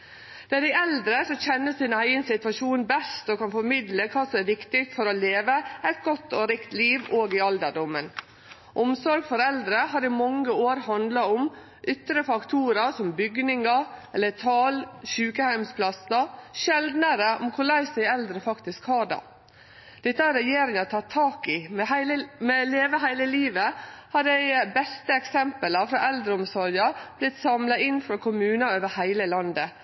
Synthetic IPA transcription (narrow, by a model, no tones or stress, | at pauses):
d̪̥æd̪æɪɛld̪ɾəsɔçɛnːəsɪnæɪənsɪt̪ʋɑʃuːnbɛst̪oːkʰɑnfɔɾmɪd̪ləkʰɑːsɔmæʋɪkt̪ɪfɔɾoleːʋəɛt̪̚ɡɔt̪ːoɾɪkt̪liːʋoːɡɪɑld̪ədɔmːən | ʔʊmsɔɾɡfɔɾɛld̪ɾəɦɑɾɪmɑŋːəoːɾhɑnd̪lɑʊm | ʔʏt̪ɾəfɑkt̪ʰuːɾɑsɔmbʏɡnɪŋɑɛlːət̪ʰɑːlʃʉːkəhæɪmspʰlɑsɑʃɛld̪nəɾəʔɔ̰mkʰʊɭæɪsɛɪɛld̪ɾəfɑkt̪ɪskhɑːɖɑ̰ | d̪̥ɛt̪ːəæɾɛjeːɾɪŋɑt̪ʰɑt̪ʰːɑːkɪmɛhmɛleːʋəɦæɪləliːʋəhɑɾdæɪbɛst̪əɛksɛmpəlɑfɾɑʔɛld̪ɾəɔmsɔɾjɑɾb̥lɪt̪sɑmlɑɪnːfɾɑːkʰʊmʉːnɑøːʋəhæɪləlɑnd̪ə